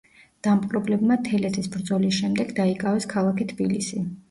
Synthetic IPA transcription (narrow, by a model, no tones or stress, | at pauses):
d̪̥ampqʼɾɔblɛbmat̪ʰɛlɛt̪ʰisbɾd̪zɔlisʃɛmd̪ɛɡd̪aikʼavɛskʰalˠakit̪ʰbilisi